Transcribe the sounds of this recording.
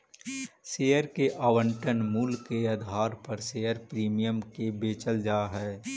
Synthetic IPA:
seːəɾkeʔaːʋə̃ɳʈənmulkeɐd̪ʱɦaːɾpɐɾseːəɾpɾiːmijəmkebeːt͡ʃəld͡ʒaːɦɛː

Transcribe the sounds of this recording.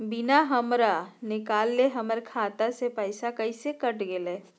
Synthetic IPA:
bɪnaɦəmɾanɪkaːlːeɦəməɾkʰaːt̪asepəɪsakəisekəʈɡeleː

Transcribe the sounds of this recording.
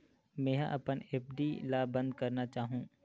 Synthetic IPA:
mɛ̃ːɦʔɐpəneːp̚ʰɖilaːbɐ̃nd̪̚kɐɾnat͡ʃaːɦũː

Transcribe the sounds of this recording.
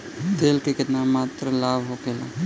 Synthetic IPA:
t̪eːlkekɪt̪namaːt̪ɾəlaːbʱɦoːkeːla̰

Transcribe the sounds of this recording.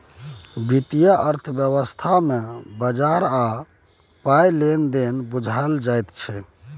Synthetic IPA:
bit̪ijaʔəɾt̪ʰəbjəβəst̪ʰamebəd͡ʒaɾa | pajlend̪enbud͡ʒʱald͡ʒajt̪t͡ʃʰɛ

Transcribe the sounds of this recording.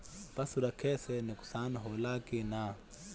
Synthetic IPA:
pasuɾakʰɛsɛnɛku̥sanaɦɔlakina

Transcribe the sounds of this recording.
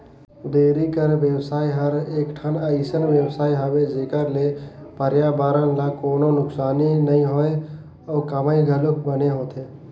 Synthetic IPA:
d̪eːɾikəɾʋjəwsaːiɦəɾeːkʈʰənəɪsənʋjəwsaːiɦəbed͡ʒeːkəɾlepəɾjabaːɾənlakoːnonʊksaːninəĩɦoe | ɔːkəmaiɡʱəlʊk̚bəneɦoːt̪ʰeː

